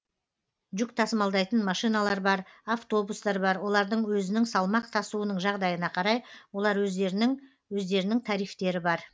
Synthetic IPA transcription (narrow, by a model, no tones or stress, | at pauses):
ʒʏk̚t̪ʰɑsəmɑlˠd̪ɑjt̪ənmɑʃijnɑlˠɑɾbɑɾaft̪o̞bust̪ɑɾbɑɾwo̞lˠɑɾd̪əɴwɵzɪnɪŋsɑlˠmɑq̚t̪ʰɑsuənəɴʒɑʁd̪ɑjənɑqʰɑɾɑjwo̞lˠɑɾwɵ | wɵzd̪e̞ɾɪnɪŋt̪ʰɑɾijft̪e̞ɾɪbɑɾ